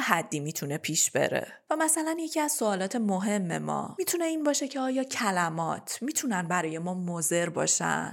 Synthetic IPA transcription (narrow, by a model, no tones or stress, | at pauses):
hæd̪ːiːmiːt̪ʰune̞pʰiːʃb̥e̞̰ɾḛ | væmæsælænjecʰiːæz̥soɒːlɒːt̪ʰemoɦe̞mːe̞̰mɒ̰ːmiːt̪ʰune̞iːnbɒːʃe̞cʰe̞ɒːjɒːcʰælæmɒːt̪ʰmiːt̪ʰunænbæɾɒːje̞mɒːmoze̞ɾbɒ̰ːʃæ̰n